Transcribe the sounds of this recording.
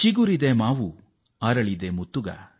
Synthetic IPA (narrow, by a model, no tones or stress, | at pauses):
t͡ʃiɡuɾid̪emaːʋu | aːɾɐɭid̪emut̪ːuɡɐ̰